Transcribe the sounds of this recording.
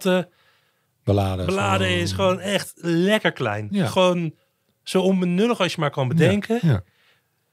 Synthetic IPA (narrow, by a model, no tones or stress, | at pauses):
tə | bəaːdbəlaːdəɪsχəʋownɛχtlɛkəɹklɛ̰jnχəʋown | sowɔnbənøləχɑsjəmaːɹkɑnbədɛŋkə